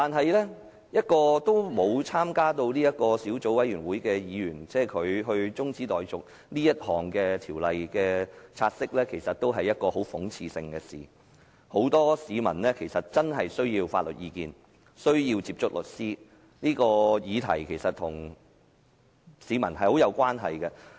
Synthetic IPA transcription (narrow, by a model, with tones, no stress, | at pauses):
t̪aː˨˩nɦɐ˨jlɛː˥ | jɐ˥t̚kɔː˧t̪o˥wmo˨˧wt͡sʰaː˥mkaː˥t̪o˧wniː˥jɐ˥t̚kɔː˧siː˨˥wt͡so˨˥wɐ˨˥jyː˨˩nwuː˨˥jkɛː˧jiː˨˧jyː˨˩nt͡sɛː˥˩kʰɵ˨˧ɥɦɵ˧ɥt͡sʊ˥ŋt͡siː˨˥t̪ɔː˨jt͡sʊ˨k̚ | niː˥jɐ˥t̚hɔː˨˩ŋkɛː˧t̪ʰiː˨˩wlɐ˨jkɛː˧t͡sʰaː˧t̚sɪ˥k̚lɛː˥kʰe˨˩jsɐ˨t̚t̪o˥wɦɐ˨jːɐ˥t̚kɔː˧ho˨˥wfʊ˨˥ŋt͡sʰiː˧sɪ˧ŋkɛː˧sḭː˨˩ | ho˨˥wt̪ɔː˥siː˨˧mɐ˨˩nlɛː˥kʰe˨˩jsɐ˨t̚t͡sɐ˥nɦɐ˨jsɵ˥ɥjiː˧wfaː˧t̚lɵ̰˨t̚jiː˧kiː˧n | sɵ˥ɥjiː˧wt͡siː˧p̚t͡ʃʊ˥k̚lɵ˨˩t̚siː˥ | niː˥kɔː˧jiː˨˧t̪ʰɐ˨˩jkʰe˨˩jsɐ˨t̪ʰʊ˨˩ŋ | siː˨˧mɐ˨˩nhɐ˨jho˨˥wjɐ˨˧wkʷaː˥nɦɐ̰˨jkɛ˧